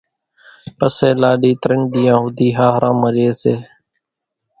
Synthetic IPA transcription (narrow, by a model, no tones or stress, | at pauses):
pəseːlaːɗiːt̪ɾəɳd̪iːjãːɦʊd̪ʱiːɦaːɦəɾʔãːməɾeːseː